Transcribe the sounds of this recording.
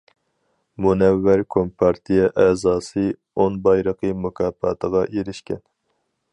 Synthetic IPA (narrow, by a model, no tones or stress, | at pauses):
munɛvːæɾkʰompʰɑɾt̪ʰijɛʔɛːzɑːsɨ | onbɑjɾəqʰɨmukʰɑːpɑ̰ːt̪ʰəʁɑʔeɾɪʃkʲɛn